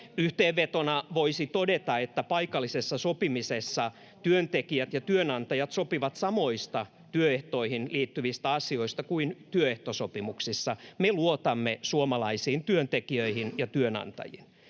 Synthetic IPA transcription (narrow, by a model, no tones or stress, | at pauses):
yht̪eːʋʋet̪onɑʋoisit̪odet̪ɑet̪ːæpɑikɑlːisesːɑsopimisesːɑ | t̪yønt̪ekiæt̪jɑt̪yønɑnt̪ɑjɑt̪sopiʋɑt̪sɑmoist̪ɑ | t̪yøeht̪oihinliːt̪ːyʋist̪æɑsioist̪ɑkuint̪yøeht̪osopimuksisːɑmeluot̪ɑmːesuomɑlɑisiːnt̪yønt̪ekiøihinjɑt̪yønɑ̰nt̪ɑ̰jḭn